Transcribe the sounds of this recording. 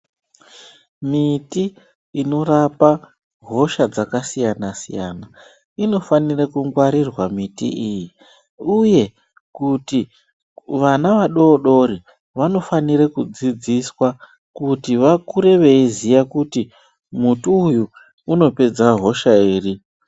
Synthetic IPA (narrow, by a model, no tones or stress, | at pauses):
miti | ino̞rapa | ɦo̞ʃad͡zakasijanasḭja̰na | ino̞fanirekuŋɡwaɾirwamitḭiji | uje̞ | kuti | ʋanaʋaɗo̞ɗo̞ɾi | ʋano̞faniɾekud͡zid͡ziswa | kutiʋakuɾe̞ʋe̞izijakuti | mutuːjuː | no̞pe̞d͡zaɦo̞ʃaiːri